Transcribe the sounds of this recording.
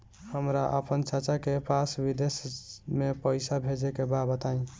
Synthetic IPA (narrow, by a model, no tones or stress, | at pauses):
həmɾaʔə̰pənt͡ʃət͡ʃakepʰasbid̪esjmepəɪsabʱed͡ʒekebabət̪aĩ